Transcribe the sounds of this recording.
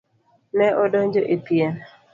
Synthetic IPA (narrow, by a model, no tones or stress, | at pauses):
nɛʔɔdɔɲd͡ʒoʔepiɛn